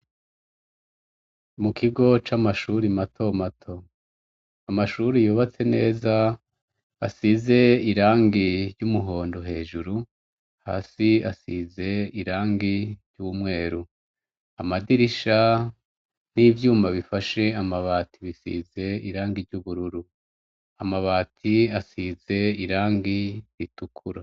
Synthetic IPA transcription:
mukʰiɡo̞t͡ʃamaʃuɾimatʰo̞matʰo̞ | amaʃuɾijuːβat͡se̞ne̞ːza | asize̞iɾaːŋɡiɾɟumuɦo̞ːndo̞ɦe̞ːʒuɾu | ha̰ːsiasize̞iɾaːŋɡiɾjɟuumŋwe̞ːɾu | amadiɾiʃa | n̥iːvjuːmaβifaʃe̞amaβaːtʰiβisḭze̞iɾaːŋɡiɾɟuβuɾuɾu | amaβaːtʰiasize̞iɾaːŋɡijitukʰuɾa

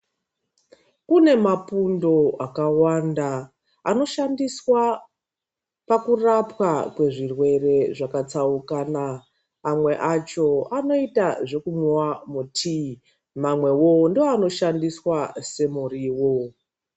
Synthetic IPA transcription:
kune̞mapundo̞akawanda | ano̞ʃandiswa | pakurapwakwe̞ʐirwe̞re̞ʐakat͡saukaːnaː | mwe̞ʔat͡ʃo̞ano̞itaʐe̞kuɲwamutʰi | mamwe̞wondioano̞ʃandiswase̞muriwo̞

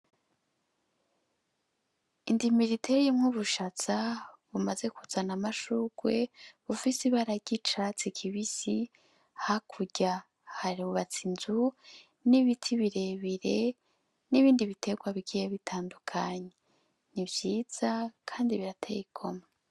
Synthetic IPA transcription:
indimiɾitʰeɾijomŋuβuʃat͡saβumaze̞kuzanamaʃuɡ̥we̞βufisiβaɾaɟit͡ʃat͡sikʰiβisi | hakʰuɟa | haɾiuβat͡sinzu | niβitʰiβiɾe̞βiɾe̞ | niβiːndiβitʰe̞ɡwaβiɡijeβitʰaːndukʰaɲe | nibjiːz̥akʰaːndiβiɾatʰeikʰo̞ma

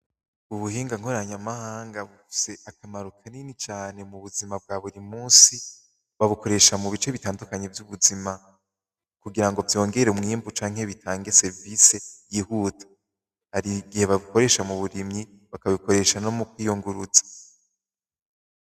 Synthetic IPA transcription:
uβuhiːŋɡaŋ̥oɾaɲamahaːŋɡaβufi̥se̞ʔakamaɾukʰaninit͡ʃaːne̞muβuzimab̚ɡaːβuɾimuːnsi | βaβuko̞ɾe̞ʃamuβit͡ʃe̞βitaːndukaɲevjuβuzima | kuɡiɾaŋɡo̞vjo̞ːŋɡe̞ɾeumŋiːmbut͡ʃaːŋ̥he̞βitʰaːŋɡe̞se̞ɾvise̞jiːhuːtʰḁ | haɾiɡihe̞βaβiko̞ɾe̞ːʃamuβuɾimɲi | βakaβiko̞ɾe̞ʃano̞mukwiːjuŋɡuɾuzḁ

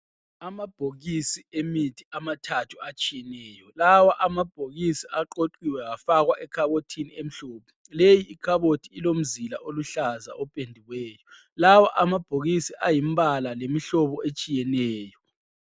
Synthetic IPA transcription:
amab̥ʱoɣisiemitʰiamatʰatʰuat͡ʃʼijɛnɛːjɔlawaʔamab̥ʱoɣisiʔaǃoǃiwɛɣafaɣwaʔɛkʰaβotʰiniem̩ɬɔːpʰɛ̥ | lejiːkʰaβotʰiilom̩zila̰ʔoluɬaza̰ʔɔpʼendʱiwɛːjɔ | lawaʔamab̥ʱoɣisiʔajim̩balalemiɬɔβɔʔet͡ʃʼijɛnɛːjɔ

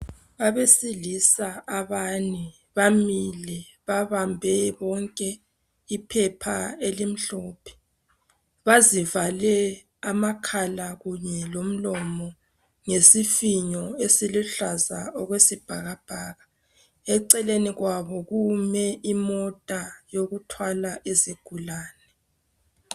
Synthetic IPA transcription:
βaβesilisaaβani | βamilɛ | βaβambʱɛβɔŋkʼɛ | ipʰɛpʰaelim̩ɬɔːpʰɛ̥ | βazivalɛ | amakʰalaɣuɲɛlom̩lɔmɔ | ŋesifiɲɔesiluɬazaɔɣwesib̥ʱaɣab̥ʱaːɣa | ɛǀɛleniɣwaβɔɣumɛʔimɔtʼajoɣutʰwalaʔeziɡ̥ʱulaːnɛ

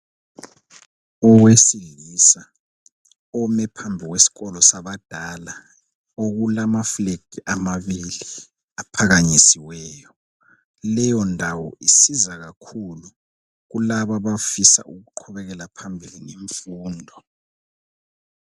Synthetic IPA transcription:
ɔwesilisa | ɔmɛpʰambʱiɣwesi̥ɣɔlɔsaβad̥ʱala | oɣulamafleɡ̥ʱiʔamaβili | apʰaɣaɲisiwɛːjɔ | lɛjɔndʱawɔ̰ʔisizaɣakʰulu | ɣulaβaβafisa̰ʔuɣuǃʰɔβɛɣɛlapʰambʱilineɱfuːndʱɔ

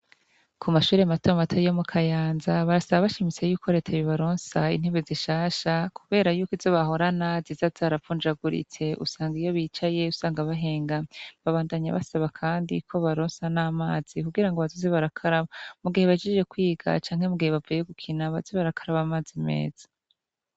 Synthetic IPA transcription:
kʰumaʃuːɾematomatʰojomukʰajaːnzaβaɾasaβaβaʃimit͡se̞juːkʰo̞ɾe̞ːtʰaβiβaɾoːnsaḭn̥eβeziʃaːʃakʰuβe̞ːɾajuːkizo̞βaɦo̞ɾanazizazaɾafund͡ʒaɡuɾḭt͡se̞ʔṵsaːŋɡijo̞βiːt͡ʃaje̞usaːŋɡaβaɦe̞ːŋɡaβaβaːndaɲa̰βa̰saβakʰaːndḭkʰo̞βaɾoːnsanaːmaːz̥ikuɡiɾaŋɡoβazoziβaɾakʰaɾaβamuɡiheβad͡ʒiʒe̞kwiːɡ̥a̰t͡ʃaːŋhe̞muɡiheβavujeɡukʰinaβaziβaɾakʰaɾaβamaːzimḛːz̥ḁ

